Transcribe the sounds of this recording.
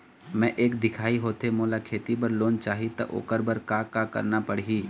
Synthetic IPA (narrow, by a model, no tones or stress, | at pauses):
mɛ̃ʔeːkd̪ɪkʰaːiɦoːt̪emoːlakʰeːt̪ibɐɾloːnt͡ʃaːɦit̪ɐ̰ʔo̰ːkəɾbəɾkaːkakə̰ɾnapɐɽ̤ɦiː